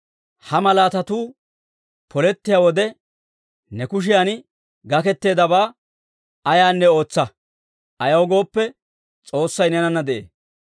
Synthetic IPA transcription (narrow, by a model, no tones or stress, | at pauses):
hɐmɐlaːt̪ɐt̪uː | pʰɔlɛt̪ːɪjaːwɔd̪ɛ | nɛkʊʃ̬ɪjaːn | ɡɐkɛt̪ːe̞ːd̪ɐbaː | ɐjaːnːɛo̞ːt͡sːɐ | ʔɐjɐwɔɡo̞ːpːɛ | t͡sʼo̞ːsːɐjnɛnɐnːɐd̪ɛʔḛː